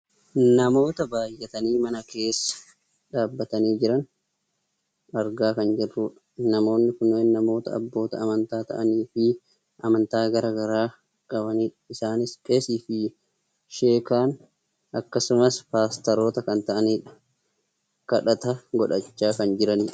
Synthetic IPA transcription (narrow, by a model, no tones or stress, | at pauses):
nɐmo̞ːt̪ɐbaːjːɛt̪ɐniːmɐnɐkʰe̞ːsːɐ̥ | ᶑaːbːɐt̪ɐniːd͡ʒɪɾɐn | ɐɾɡaːkɐnd͡ʒɛrːuːᶑɐ | nɐmo̞ːnːɪkʊnːeːnːɐmo̞ːt̪ɐ̰ɐ̰bːo̞ːt̪ɐːmɐnt̪aːt̪ɐ̰ʔɐniːfɪ | ʔɐmɐnt̪aːɡɐɾaːɡɐɾaː | kʼɐβɐniːᶑɐɪsaːnɪskʼeːsiːfɪ | ʃe̞ːkaːn | ʔɐkːɐsʊmɐspaːst̪ɐɾo̞ːt̪ɐkɐnt̪ɐʔɐniːᶑɐ̥ | kɐᶑɐt̪ɐɡɔᶑɐt͡ʃːaːkɐnd͡ʒɪɾɐniːᶑ